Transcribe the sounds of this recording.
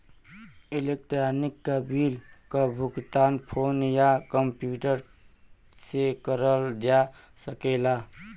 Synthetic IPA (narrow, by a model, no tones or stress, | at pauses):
ilekʈɾanikːəbilkəbʱuɡt̪anpʰonjakəmpjuʈəɾ | sekəɾəld͡ʒa | səkela